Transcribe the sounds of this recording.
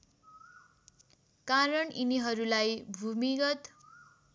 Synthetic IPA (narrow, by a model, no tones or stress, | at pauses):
kaɾʌɳiniɦʌɾulajbʱumiɡʌt̪